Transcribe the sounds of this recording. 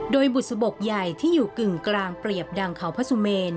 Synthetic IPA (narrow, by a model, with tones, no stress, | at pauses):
doː˧jbu˨˩sa˧bo˨˩k̚ja˨˩jt̪ʰiː˥˩juː˨˩kɯ˨˩ŋklaː˧ŋpɾi˨˩əp̚da˧ŋkʰa˩˦wpʰa˦˥su˧meː˧n